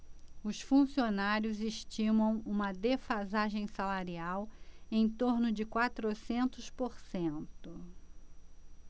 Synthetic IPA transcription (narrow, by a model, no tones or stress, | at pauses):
ʊsfũsionaɾjʊzeʃt͡ʃĩmɐ̃w̃ũmɐd̪efazaʒẽj̃salaɾiawẽj̃t̪oɾnʊd͡ʒɪkwat̪ɾosẽnt̪ʊspoɾsẽnt̪ʊ